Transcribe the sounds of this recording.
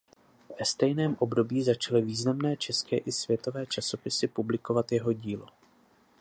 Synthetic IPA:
vɛst̪ɛjnɛːmʔo̞bdo̞biːzat͡ʃalɪviːznamnɛːt͡ʃɛskɛːʔɪsvjɛt̪o̞vɛːt͡ʃaso̞pɪsɪpublɪko̞vat̪jɛɦo̞ɟiːlo̞

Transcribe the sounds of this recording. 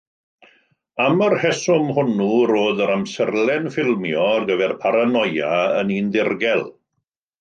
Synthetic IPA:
amərhɛsʊmhʊnuɾoːðəɾamsərlɛnfɪlˠmjɔrɡəvɛrpʰaɾanɔjaənindɪrɡɛlˠ

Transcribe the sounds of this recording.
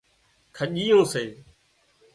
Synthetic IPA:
kʰəʄiːjõːseː

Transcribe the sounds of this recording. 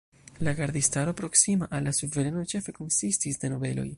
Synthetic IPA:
laɡaɾd̪istaɾo̞pɾo̞ksimaʔalːasuve̞ɾe̞no̞t͡ʃe̞fe̞ko̞nsistisde̞no̞ve̞lo̞̰j

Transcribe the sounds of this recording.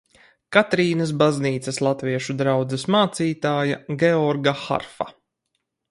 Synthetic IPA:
kat̪ɾiːnɐsbazniːt̪sɐslˠat̪viɛʃud̪ɾawd̪zɛsmaːt̪siːt̪aːjaɡʲɛɔɾɡaxa̰ɾfa̰

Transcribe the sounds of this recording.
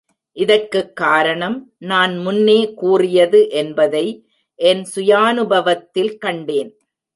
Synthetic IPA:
ʔɪðɐrkːɯkːaːɾɐɳɐmnaːnmʊnːeːkuːrɪjɐðɯʔɛnbɐðɐɪ | ʔɛnsʊjaːnɯbɐʋɐt̪ːɪlkɐɳɖeːn

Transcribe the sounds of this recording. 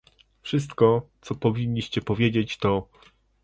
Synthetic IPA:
fʂɘst̪kɔt̪sɔpɔvʲiɲʲːiɕt͡ɕɛpɔvʲjed͡ʑet͡ɕt̪ɔ

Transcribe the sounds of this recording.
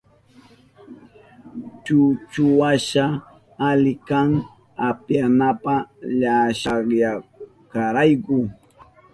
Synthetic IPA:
t͡ʃʊt͡ʃʊwaʃa | alɪkaŋ | apjanapaʎaʃaχja | kaɾajkʊ

